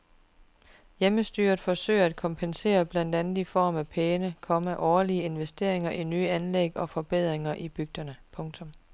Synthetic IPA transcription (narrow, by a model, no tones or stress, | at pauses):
jeməsd̥yːɐð̩ˠfɒ̽sø̰ɪ̰ɐæd̥̚kʰɒ̽mpʰense̝̰ːɐb̥læn̰d̥ænð̩ˠifɒ̰ːmæpʰeːnəkʰɒ̽məʔɒːɐliəe̝nʋesd̥e̝ɐ̰e̝ŋɐʔinyːəænleɡ̥ɒ̽fɒ̽b̥eð̞̰ˠʁeŋɐʔib̥yɡ̥̚d̥ɐnəpʰɔ̽ŋt͡sʰɔ̽m